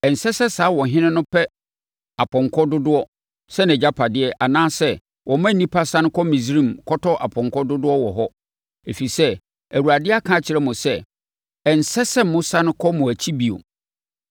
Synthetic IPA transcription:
ɛ˨n̩˨sɛ˦sɛ˦saː˨˦wɔ̃˨ɦɪ̃˦nɪ̃˦nʊ̃˦pʰɛ˦ | a˨pʰɔ̃˨ŋkʰɔ˦dʊ˦dʊ˦ɔ˦ | sɛ˦nɛ̃˨d͡ʑa˦pʰa˨dɪ˦ɛ˦ʔa˨nãː˦sɛ˦ | wʔɔ̃˨mã˦˨nĩ˦pʰa˦sã˦nʊ̃˦kʰɔ˦mĩ˨s̬ɾĩ˦mkʰɔ˦tɔ˦ʔa̰˨pʰɔ̃˨ŋkʰɔ˦dʊ˦dʊ˦ɔ˦wɔ˨ɦɔ˦ | e˨fi˨sɛ˦ | æ˨wu˨ɾa˨dɪ˦a˦kʰã˦˨t͡ɕʰɪ˨ɾɛ˦mʊ̃˨sɛ˦ | ɛ˨n̩˨sɛ˦sɛ˦mʊ̃˦sã˦nʊ̃˦kʰɔ˦mʊ̃˨æ˨t͡ɕʰi˦bi˨o̰˨

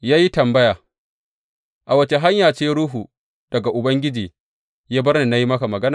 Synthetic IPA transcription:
jaː˦ji˦tɐ˨mbɐ˦jaː˨ | ʔa˨wɐ˦t͡ʃe˨ɦa˦ɲjaː˨t͡ʃeː˦ɾuː˦ɦu˨ | d̥ɐ˨ɡa˨ʔʊ˨bɐ˦ŋɡʲɪ˦d͡ʒiː˨ | jaː˦bɐ˦rne˨na˦ji˦mɐ˦ka˨mɐ˨ɡɐ˦naː˨

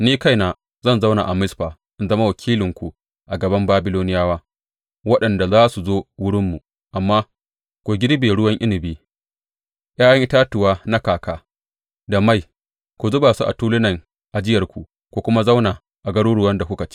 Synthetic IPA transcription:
niː˦ka˦˨jnaː˨ | zɐ˦˨nza˦wna̰˨ʔa˨mɪ˦sɸaː˨ | ʔɪ˦nzɐ˦ma˦wɐ˨kʲʰiː˦lɪ˨ŋkʷu˨ | ʔa˨ɡɐ˨bɐ˦mbaː˦bɪ˦loː˦nɪ˦jaː˦waː˦ | wɐ˦ɗɐ˨nda˨zaː˦su˨zoː˦wʊ˦ɽɪ˦mːu˨ | ʔa˨mːaː˦ | kʷu˨ɡʲɪ˦ɾbeː˨ɽʊ˦wɐ˦ŋʔɪ˦nɪ˨biː˦ | j̰aː˦jɐ˦ŋʔɪ˦taː˦tʊ˨waː˦na˦kaː˨kaː˦ | da˨ma˦˨j | kʷu˨zʊ˦baː˨su˦ʔa̰˨tuː˦lɪ˦nɐ˨ŋ | ʔa˨d͡ʒɪ˦jɐ˨rkʷu˨ | kʷu˨kʷʊ˦ma˦za˦wna˨ | ʔa˨ɡɐ˦ɽuː˦ɽʊ˦wɐ˦nda˨kʷʊ˦kɐ˨t͡ʃi̥˦

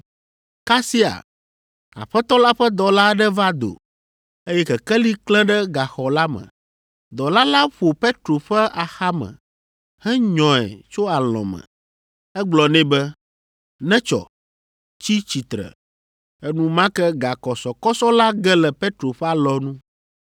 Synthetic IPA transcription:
ka˦si˦a̰˨ | a̰˨ɸɛ˦t̪ɔ˦la˦ɸɛ˦d̪ɔ˨la˦ɖɛ˦va˦d̪o̰˨ | e˦jɛ˦kɛ˨kɛ˦li˦klɛ̃˦ɖɛ˦ɡa˨xɔ˨la˦mɛ̰̃˨ | d̪ɔ˨la˦la˦ɸo˨pe˦t̪ɾo˨ɸɛ˦ʔa˨xa˦mɛ̰̃˨ | hɛ˦ɲɔ̃˨ɛ̰˨t͡ʃo˦a˨l̃ɔ̰̃˨mə̰̃˨ | ɛ˦ɡ͡blɔ˨nɛ̃˦bɛ˦ | nɛ̃˦t͡ʃɔ̰˨ | t͡ɕi˦t͡ɕi˨t̪ɾɛ̰˨ | ɛ˦nũ˦mã˦kɛ˦ɡa˨kɔ˨sɔ˨kɔ˦sɔ˦la˦ɡɛ˦lɛ˨pe˦t̪ɾo˨ɸɛ˦a˨lɔ˦nũ˦

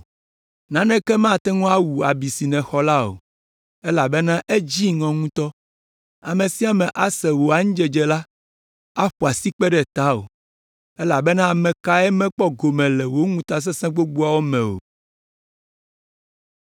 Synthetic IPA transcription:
nã˨˦nɛ̃˦kɛ˦mã˦˨t̪ɛ˦ŋɔ̃˦a˦wu˨a˨bi˨si˨nɛ̃˨xɔ˨la˦o̰˨ | ɛ˦la˨bɛ˦nã˦ʔe˦d͡ʑi˦ŋɔ̃˨ŋũ˦t̪ɔ˦ | a˨mẽ˨si˦a˨mɛ̃˨ʔa˦sɛ˨wo˨a˨ŋũ˦d͡ʒɛ˨d͡ʒɛ˨la˦ | a˦ɸu˨a˨si˦k͡pɛ˦ɖɛ˦t̪a˦o̰˨ | ɛ˦la˨bɛ˦nã˦˨mɛ̃˨ka˦ɛ˦mɛ̃˦k͡pɔ˦ɡo˨mɛ̃˨lɛ˨wo˦ŋũ˦t̪a˦s̬ɛ˦sɛ̃˦ɡ͡bo˦ɡ͡bu˦a˦˨wo˦mɛ̃˨o̰˨

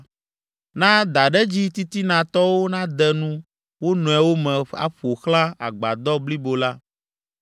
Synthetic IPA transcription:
nã˦d̪a˨ɖɛ˦d͡ʑi˦t̪i˦t̪i˦nã˨t̪ɔ˦wo˦nã˦d̪ɛ˦nũ˦ | wo˦nɔ̃˨ɛ˨wo˦mɛ̃˨a̰˦ɸo˨xlã˦a̰˨ɡ͡ba˨d̪ɔ˦bli˦bo˨la˦

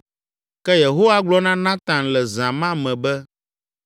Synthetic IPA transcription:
kɛ˦je˨ɦo˦wa˦ɡ͡blɔ˦nã˦nã˦t̪ã˨nlɛ˨zã˨mã˦mɛ̃˨bɛ˦

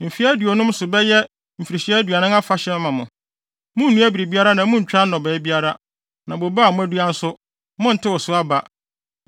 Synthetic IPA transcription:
m̩˨fi˦æ˦dɥɔ˨nʊ̃˦m˦sʊ˨bɛ˦jɛ˦ | m̩˨fi˨ɾi˨ɕi˦ɛ˦æ˦dɥa˨nɪ̃˦ŋa˦fa˨˦ɕɛ̃˦m˦mã˨mʊ̃˨ | mʊ̃˦n̩˦nːũ˦æ˦bi˨ɾi˨bi˦a˦ɾa˦nã˨˦mʊ̃˦ɲ̩˨t͡ɕᶣɾa˦n̩˦nɔ̃˨bɛ˨˦bi˦a˦ɾa˦ | nã˨bo˨ba˦˨mʊ̃˦æ˦du˦a˦n̩˦sʊ˦ | mʊ̃˦n̩˨tʰɪ˦wɔ˨sʊ˦a˦ba˨

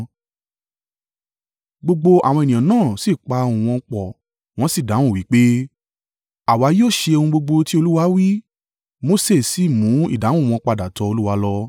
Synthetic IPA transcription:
ɡ͡bo˧ɡ͡bo˧a̰˨w̃ɔ̃˧e˨nĩ˨ã˨nãː˦˨si˨k͡pa˧ũ˨w̃ɔ̃˧k͡pɔ˨ | w̃ɔ̃˦si˦˨da˨˦w̃ũ˦˨wi˨˦k͡pe˦ | a˨wa˨˧˦joː˦˨ʃe˧o˧hũ˧ɡ͡bo˧ɡ͡bo˧ti˦o˧lu˦wa˧wi˦ | mo˦se˦˨si˨mũ˨˦ḭ˦˨dã˨˦ũ˦˨ɔ̃˧k͡pa˧da˨tɔ˧˦o˧lu˦wa˧˦lɔ˧

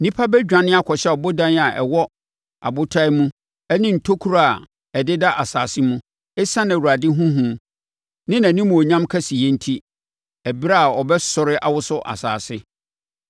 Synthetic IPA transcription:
nĩ˦pʰa˦bɛ˦d͡ʑᶣã˨nɪ̃˦a˦kʰɔ˨ɕɛ˦ɔ˨bo˦dã˦n˦a˨ʔɛ̰˨wɔ˦ | a̰˨bʊ˦tʰa˦i˦mũ˦ | ɛ˦nɪ̃˦n̩˨tʰo˦kʰu˦ɾa˦a˨ | ɛ˨dɪ˦da˦ʔa˨saː˨sɪ˦mũ˦ | ɛ˦sã˦nã˨wu˨ɾa˨dɪ˦ɦũ˦ɦũ˨ | nɪ̃˦nã˨nĩ˦mũ˨ɔ˨ɲã˦mkʰɛ˦si˨jɛ˦n̩˦tʰi˦ | æ˨bɾa˦a˨ɔ˨bɛ˦sʊ˨ɾɪ˦ʔa̰˨wʊ˦sʊ˦ʔa̰˨sa̰ː˨sɪ˦

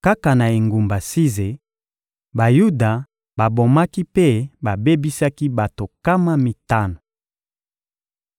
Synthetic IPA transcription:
ka˦ka˨na˨e˨ŋɡu˨mba˨si˦ze˨ | ba˨ju˦da˨ | ba˨bo˨ma˦ki˦pe˦ba˨be˦bi˦sa˦ki˦ba˨to˨ka˦ma˦mi˨ta˦no˨

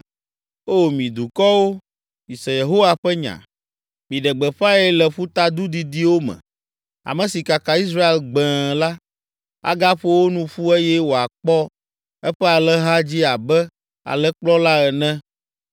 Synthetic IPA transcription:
o˦mĩ˨d̪u˨kɔ˦wo˦ | i˨sɛ˨je˨ɦo˦wa˦ɸɛ˦ɲã̰˨ | mĩ˨ɖɛ˨ɡ͡bɛ˨ɸa˦ɛ˦lɛ˨ɸu˦t̪a˦d̪u˦d̪i˨d̪i˦wo˦mɛ̰̃˨ | a̰˨mɛ̃˨si˨ka˨ka˨i˦s̬ɾa˦e˨lɡ͡bɛ̃˨la˦ | a̰˦ɡa˦ɸo˦wo˦nũ˦ɸu˦e˦jɛ˦wo˨a˨k͡pɔ˦ | ɛ˦ɸɛ˦a˨lɛ˦ɦa˦d͡ʑi˦a˨bɛ˦ | a̰˨lɛ˦k͡plɔ˦la˦ɛ˨nɛ̃˦

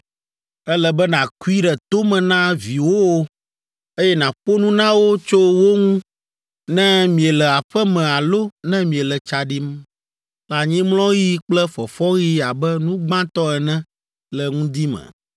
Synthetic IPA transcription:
ɛ˦lɛ˨bɛ˦nã˨ku˦i˦ɖɛ˨t̪o˦mɛ̃˨nã˦vi˨wo˦wo˦ | e˦jɛ˦nã˨ɸo˦nũ˦nã˦wo˦t͡ʃo˦wo˦ŋũ˦ | nɛ̃˦mĩ˨ɛ˨lɛ˨a˨ɸɛ˦mɛ̃˨a˨lo˦nɛ̃˦mĩ˨ɛ˨lɛ˨t͡ʃa˨ɖi˦m | la˨ɲĩ˦mlɔ̃˦ɣi˦k͡plɛ˦fɔ˨fɔ˦ɣi˦a˨bɛ˦nũ˦ɡ͡bã˦t̪ɔ˦ɛ˨nɛ̃˦ | lɛ˨ŋũ˦d̪i˦mɛ̰̃˨

